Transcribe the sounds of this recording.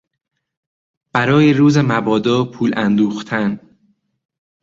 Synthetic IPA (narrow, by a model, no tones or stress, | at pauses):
b̥æɾɒːjeɾuːzemæbɒːd̪ɒːpʰuːlænd̪uːxt̪ʰæn